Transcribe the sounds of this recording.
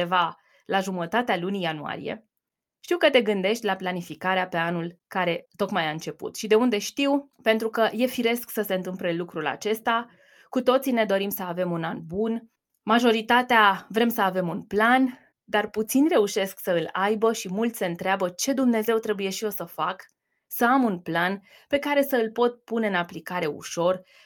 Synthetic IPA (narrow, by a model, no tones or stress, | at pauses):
eva | laʒumət̪at̪ealunijanua̰ɾḭje̞̰ | ʃt̪iwkət̪e̞ɡɨnd̪e̞ʃt̪ʲlaplanifikaɾeapeanulkaɾe̞t̪o̞kmajaɨnt͡ʃe̞pṵt̪ʃid̪e̞und̪e̞ʃt̪iw | pe̞nt̪ɾukəje̞fiɾe̞sksəse̞ɨnt̪ɨmple̞lukɾula̰t͡ʃe̞st̪a | kut̪o̞t̪sine̞d̪o̞ɾimsəave̞munanbun | maʒo̞ɾit̪at̪eavɾe̞msəave̞munplan | d̪arput̪sinʲre̞uʃe̞sksəɨlajbəʃimult̪sʲseɨnt̪ɾeabət͡ʃe̞d̪umne̞ze̞wt̪ɾe̞buje̞ʃijo̞səfak | səamunplan | pe̞kaɾe̞səɨlpo̞t̪̚puneɨnaplikaɾe̞ṵʃo̞r